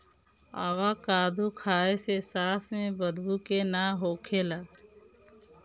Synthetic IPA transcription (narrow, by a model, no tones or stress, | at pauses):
a̰ːwakaːd̪ʱukʰaːesesaːsmẽbəd̪ʱbukenaɦoːkʰelaː